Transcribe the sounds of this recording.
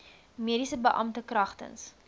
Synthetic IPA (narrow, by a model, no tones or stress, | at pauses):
miəɾisəbəʔɐ̰mtəkrɐχtə̰ns